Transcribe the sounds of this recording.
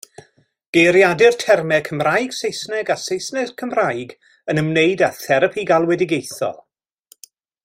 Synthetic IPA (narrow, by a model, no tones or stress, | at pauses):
ɡ̥ejɾjadɪrtʰɛrmɛkʰəmrajɡ̥sejsnɛɡasejsnɛkʰəmrajɡ | ənəmneɨdaθɛɾəpʰiɡalˠwɛdɪɡejθɔ̰lˠ